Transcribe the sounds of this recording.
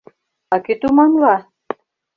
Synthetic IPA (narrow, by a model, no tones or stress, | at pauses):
ɑket̪umɑnlɑ